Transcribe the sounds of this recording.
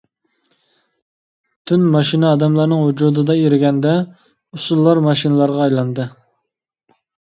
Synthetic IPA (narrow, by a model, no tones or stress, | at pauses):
t̪ʰynmɑʃinɨɑd̪ɑmlˠɑɾnɨŋɦud͡ʒud̪ɨd̪ɑeɾɪɡʲɛnd̪ɛ | usulˠːɑɾmɑʃinɨlˠɑɾʁɑːjlˠɑnd̪ɨ